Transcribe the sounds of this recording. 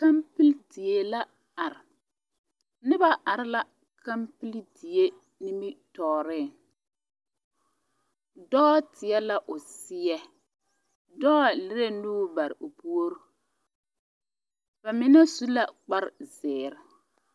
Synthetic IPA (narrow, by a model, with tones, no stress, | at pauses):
ka˦mpi˦ldi˨je˦la˦ | a˨ɾɪ˨ | nɪ˦ba˦ʔa˨ɾɪ˦la˦ | ka˦mpi˦ldi˨je˦ | ni˦mɪ˦tɔː˨ɾɪ˦˨ | dɔ˦tɪ˨ɛ˦la˦ʔʊ˨sɪ˦jɛ˦ | dɔː˦˨lɪ˦ɾe˦nuː˦ba˨ɾɪ˨o˨pu˦o˦ɾ | ba˨mɪ˦na˦su˦la˦k͡pa˦ɾzɪː˨ɾɪ˨